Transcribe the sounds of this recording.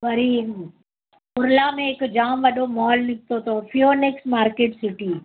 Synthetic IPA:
ʋɐɾiː | ʊɾlamẽːkd͡ʒaːmʋɐɗomɔːlnɪk̚t̪ot̪ʰopʰijoːneksʈmaːɾkeʈsɪʈi

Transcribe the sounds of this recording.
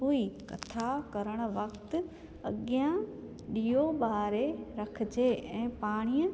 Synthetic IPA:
ɦoːikɐ̰t̪ʰakɐɾəɽ̃̆ʋɐkt̪ | ɐ̰ɠjã | ɗiːoɓaːɾeɾɐkʰɪd͡ʑeʔɛ̃ːpaːɽ̃ijə̃

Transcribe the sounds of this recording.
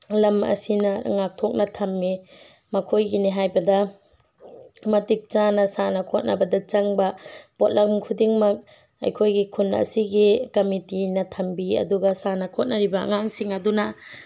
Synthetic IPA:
lɐmɐ̰sinɐɾ̰ŋak̚tʰok̚nɐtʰɐmːi | mɐkʰojɡiniɦajbɐdɐ | mɐtik̚t͡ʃanɐsanɐkʰot̚nʔɐ̰bɐdɐt͡ʃɐŋbɐpot̚lɐkmkʰudiŋmɐk̚ | ɐ̰jkʰojɡikʰunɐ̰siɡikɐmitinɐtʰɐmbiɐ̰duɡɐsanɐkʰot̚nɐɾibɐ̰ːŋaŋsiŋɐduna

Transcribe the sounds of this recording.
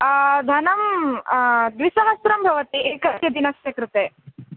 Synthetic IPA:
d̪ʱɐnɐm | d̪ʋisɐɦɐsɾɐmbʱɐʋɐt̪iʔeːkɐt̪jɐd̪inɐsjɐkɾut̪eː

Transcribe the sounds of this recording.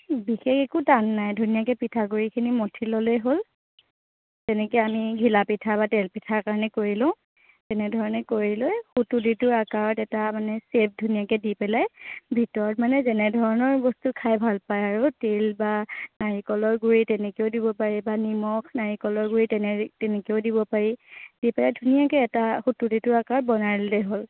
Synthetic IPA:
bixexekudanːajdʱunijakɛpitʰaɡuɹikʰinimɔtʰilɔlejɦol | tɛnɛkamiɡʱilapitʰabatɛlpitʰaɹkaɹɔnɛkoɹilɔ̃ʊ̃ | tɛnɛdʱɔɹɔnɛkoɹilɔjxutuditʊɹakaɹɔtɛtamanɛsep̚ʰdʱunijakɛdipɛlajbʱitɔɹɔtmanɛzɛnɛdʱɔɹɔnɔɹbɔstukʰajbʱalpajaɹutelbanaɹikɔlɔɹɡuɹitɛnɛkeodibɔpaɹibanimɔkʰnaɹikɔlɔɹɡuɹitɛnɛtɛnɛkeoʊdiβɔpaɹid̥ipɛlajdʱunijakɛɛtaxutuditʊɹakaɹɔt̚bɔnaɹillɛɦol

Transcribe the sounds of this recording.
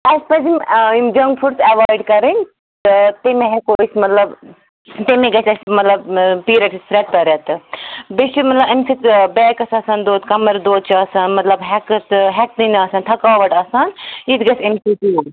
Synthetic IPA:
ɐspɐd͡ʒimimd͡ʒɐŋɡfʰuɖsɐʋaːiɖkɐɾinʲ | t̪ɨt̪emeɦekoismɐt̪lɐb | t̪emẽɡɐsʲɐsmɐt̪lɐbpiːɾɐʈispɾeʈ̚pɐɾɐt̪ɨbit͡ʃumɐt̪lɐbemsit̪bɛːkɐsɐsɐnd̪oːd̪kɐmɐɾd̪oːd̪̚t͡ʃʰɐsanmɐt̪lɐbɦɛkt̪ɦɛk̚t̪inɐsɐnt̪ʰɐkaːʋɐʈɐsanit̪ɡɐsemsiʈ̪u

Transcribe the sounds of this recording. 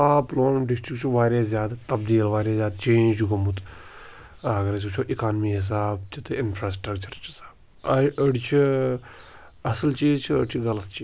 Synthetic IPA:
aːploːnɖɪsʈɾikt͡ʃʰiʋaːɾjaːzjaːd̪t̪ɐbd̪iːlʋaːɾjaːzʲjaːd̪t͡ʃẽːnd͡ʒɡɐmut̪ | ɐɡɐɾɐt͡ʃut͡ʃʰoːʔɪkaːnmiɦɪs̬aːbt͡ʃʰit̪ɪnpʰɾaːsʈɾɐkt͡ʃɐɾt͡ʃʰi̥sḁːb | ɐɐɽt͡ʃʰi | ɐsəlt͡ʃiːzt͡ʃʰiə̰ɽt͡ʃʰiɡɐlət̪t͡ʃʰi

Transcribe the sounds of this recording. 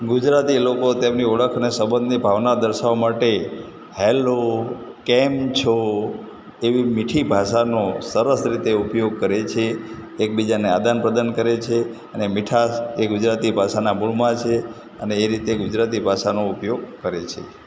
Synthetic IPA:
ɡud͡ʒɾat̪ilokot̪emniəɭəkʰənesəbənd̪nibʱaʋnad̪əɾʃaʋmaʈe | hɛlokɛmt͡ʃʰo | eʋimiʈʰibʱaʃanosəɾəsɾit̪eupjoɡ̚kəɾet͡ʃʰeːk̚bid͡ʒanead̪anpɾəd̪ankəɾet͡ʃʰe | ənemiʈʰaeɡud͡ʒɾat̪ibʱaʃanamuɭmãt͡ʃʰe | əneːɾit̪eɡud͡ʒɾat̪ibʱaʃanoupjoɡ̚kəɾet͡ʃʰḛ

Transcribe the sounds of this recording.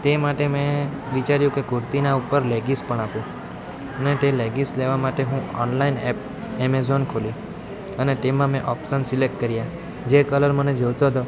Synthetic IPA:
t̪emaʈemẽ | ʋit͡ʃaɾjũkekʊɾt̪inaupəɾleɡispəɳapũ | ənet̪eleɡisleʋamaʈeɦũɔ̰nlainɛp̚ | emezonkʰoli | ənet̪emãmẽʔɔpsənsilek̚ʈ̚kəɾja | d͡ʒekələɾməned͡ʒoʋt̪oɦət̪o

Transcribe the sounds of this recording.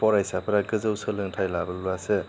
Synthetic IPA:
pʰɔɾajsapʰɯɾaɡɯzɯwsɯlɯŋtʰajlabɯluase

